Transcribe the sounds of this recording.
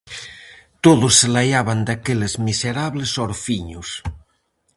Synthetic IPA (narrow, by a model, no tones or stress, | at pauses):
t̪oðosːelajaβand̪akelezmiseɾaβlesoɾfiɲos